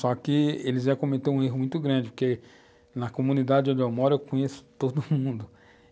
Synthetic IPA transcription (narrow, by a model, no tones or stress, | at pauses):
sɔkɪelɪzʒɛkõmet̪eũeɦʊmũj̃t̪ʊɡɾɐ̃d͡ʒɪpʊɾke | nɐkomũnid̪ad͡ʒɪd͡ʒɪõd͡ʒewmɔɾɐewkõɲesʊ̥t̪od̪ʊmũnd̪ʊ